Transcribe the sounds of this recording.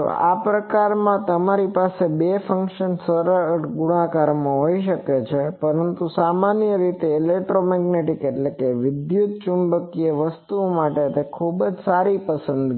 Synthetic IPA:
o̰a̰pɾəkaɾmãt̪əmaɾipasebefə̃ŋkʃənsəɾəɾʈɡuɽ̃ãkaɾmãɦoiʃəket͡ʃʰepəɾənt̪usamanjəɾit̪eːlek̚ʈɾomɛɡneʈikeʈlekeʋɪd̪jut̪̚t͡ʃumbəkiəʋəst̪umaʈet̪ekʰubd͡ʒsaɾipəsə̃nd̪

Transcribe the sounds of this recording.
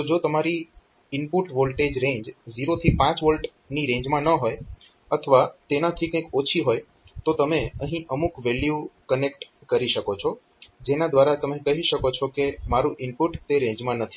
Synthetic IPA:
t̪od͡ʒot̪əmaɾi | ɪmpuʈʋolʈed͡ʒɾẽɲd͡ʒziɾot̪ʰipãt͡ʃʋolʈ | niɾẽɲd͡ʒmãnəɦoj | ət̪ʰəʋat̪enat̪ʰikə̃j̃kot͡ʃʰiɦoj | t̪ot̪əmeəɦĩʔəmukʋeljukənekʈkəɾiʃəkot͡ʃʰɔ | d͡ʒenad̪ʋaɾat̪əmẽkəɦiʃəkot͡ʃʰɔkemaɾuʔɪmpuʈt̪eɾẽɲd͡ʒmãnət̪ʰi̥

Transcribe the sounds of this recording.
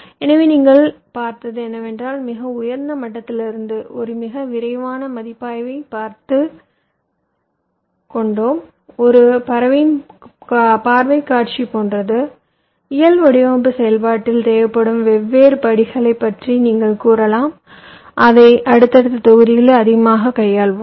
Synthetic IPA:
ɛnɐʋeːniːŋɡɐɭ | paːɾt̪ɐðɯɛnːɐʋɛndraːlmɪɣɐʊjɐɾnd̪ɐmɐʈːɐt̪ːɪlɪɾɯnd̪ɯʔɔɾɯmɪɣɐʋɪɾɐɪʋaːnɐmɐðɪpːaːjʋɐɪpaːɾt̪ɯ | kɔɳɖoːm | ɔɾɯpɐɾɐʋɪn | paːɾʋɐɪkːaːʈt͡ʃipoːnrɐðɯ | ɪjɐlʋɐɽɪjoːmbɯsɛjɐlpaːʈːɪlt̪eːjʋɐpːɐɽɯmʋɛʋːeːɾpɐɽɪɣɐɭɐɪpːɐʈriniːŋɡɐɭkuːɾɐlaːm | ʔɐðɐɪʔɐɽɯt̪ːɐɽɯt̪ːɐt̪ɔɣɯðɪjɪlɐðɪɣɐmaːɣɐkɐjːaːɭʋɯm

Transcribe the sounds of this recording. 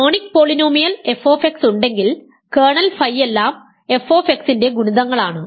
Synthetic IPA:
oːɳikːpo̞ːɭinoːmijɐle̞fo̞ːfeksuɳɖeŋɡil | keːɳɐlfɐjːe̞lːaːm | e̞fo̞ːfeksinde̞ɡuɳuðɐŋːɐɭaːɳɨ

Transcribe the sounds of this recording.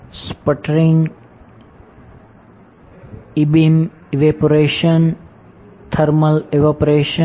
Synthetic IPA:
spəʈɾiŋɡ | ibim | eʋeːpoɾeːʃɐn | t̪ʰɐɾmɐleʋapɾeːʃə

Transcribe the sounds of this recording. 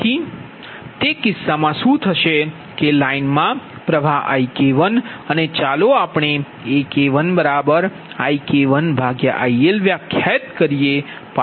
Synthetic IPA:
i | t̪ekɪsːamãʃũt̪ʰəʃe | kelainmãpɾəʋʱaɦa̰ikeʋənənet͡ʃaloapɳe | ekeʋənbəɾabəɾ | aikeʋənbʱaɡjəʔaielʋjãkʰːɛt̪kəɾije | pa

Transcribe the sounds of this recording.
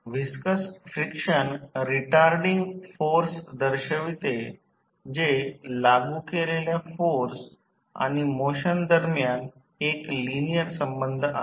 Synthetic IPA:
ʋiskəsfɾikɕənɾiʈaɾɖiŋɡfoɾsd̪əɾɕəʋit̪e | d͡ʑelaɡukeleljafoɾs | a̰ɽ̃imoɕənd̪əɾmjan | eklinijəɾsəmbənd̪ʱa̰

